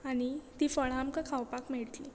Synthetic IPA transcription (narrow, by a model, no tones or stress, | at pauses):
aɽ̃it̪iːfəɭ̤amkəkʰawpakm̤eɭt̪lḭ